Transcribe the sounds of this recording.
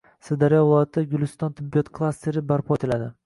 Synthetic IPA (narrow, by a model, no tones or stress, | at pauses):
sɪd̪aɾijɒvʊlˠɒjat̪ʰːd̪aɡʲʊlˠɪst̪ɒnt̪ʰɪbːijɒt̪kʰlˠast̪e̞ɾɪbaɾpʰɒet̪ʰɪlad̪ɪ